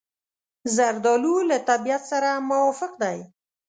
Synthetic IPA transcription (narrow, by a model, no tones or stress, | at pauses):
zaɾd̪ɑlulat̪abijat̪saɾamʊwɔfɪqd̪aj